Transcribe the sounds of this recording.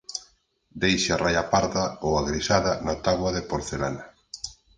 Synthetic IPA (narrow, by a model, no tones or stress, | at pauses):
d̪ejʃɪarajapaɾðaowaɣɾisaðanat̪aβwaðepoɾθela̰na